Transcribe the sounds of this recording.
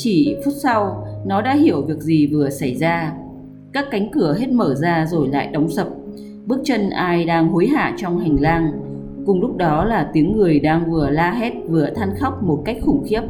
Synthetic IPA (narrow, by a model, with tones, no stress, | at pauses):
t͡ɕi˧˩fu˦˥t̚sa˧wnɔ˨˦ɗa̰ː˧˥ɦi˧˩əwvi˨˩ək̚zi˨˩vɨ˨˩əsa˧˩jzaː˧ | kaː˦˥kːa˨˦jŋ̟kɨ˧˩əɦe˦˥t̚məː˧˩zaː˧zo˨˩jla̰ː˧˨jɗə˨˦wŋ͡msə˨˩p̚ | ɓɨ˦˥ək̚t͡ɕə˧nʔaː˧jɗaː˧ŋɦo˨˦jɦa̰ː˧˨t͡ɕɔ˧wŋ͡mha˨˩ŋ̟laː˧ŋ | kʊ˨˩ŋ͡mlʊ˦˥k͡p̚ɗɔ˨˦laː˨˩t̪i˨˦əŋːɨ˨˩əjɗaː˧ŋvɨ˨˩əlaː˧ɦe˦˥t̚vɨ˨˩ət̪ʰa˧nxa˦˥wk͡p̚mo˨˩t̚ka˦˥jk̟̚xʊ˧˩ŋ͡mxi˦˥əp̚